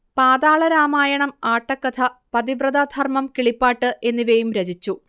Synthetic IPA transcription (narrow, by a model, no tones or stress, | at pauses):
paːd̪aːɭɐɾaːmaːjɐɳɐmaːʈːɐkːɐt̪ʰɐpɐd̪ibrɐd̪aːd̪ʱʰɐrmɐmkiɭipːaːʈːɨʔe̞nːiʋejumɾed͡ʑit͡ɕːu